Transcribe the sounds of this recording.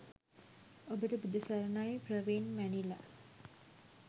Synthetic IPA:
obəʈəbud̪əsaɾənajprəʋenʋænila̰

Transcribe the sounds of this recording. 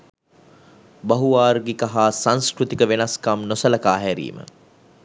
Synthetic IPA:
bɐɦuaːɾɡekaɦaːsanskrut̪ikəʋenɐskamnosəlɐkaːɦɛɾḭːmə̰

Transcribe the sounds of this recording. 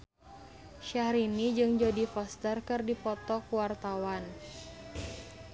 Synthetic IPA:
ʃahɾinid͡ʒɨŋd͡ʒodifɔst̪ərkɨrdipɔt̪ɔkuwart̪awan

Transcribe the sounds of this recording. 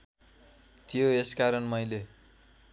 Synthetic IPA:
t̪joeskaɾʌnmʌjle

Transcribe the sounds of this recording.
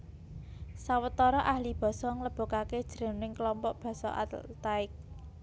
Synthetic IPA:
sawət̪ɔɾɔʔahlib̥ɔ̤sɔŋləb̥o̤kaked̥ʒ̥əɾə̤nnɪŋklɔmpɔʔb̥ɔ̤sɔʔa̰t̪t̪aɪk̚

